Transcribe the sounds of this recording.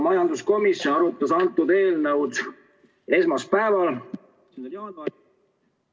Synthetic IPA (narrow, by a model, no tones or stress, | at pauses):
mɑjɑnd̪usko̞misjonɑɾut̪ːˑɑsɑnt̪ːˑud̪e̞ːlnɤwd̪̥ | e̞smɑspæevɑl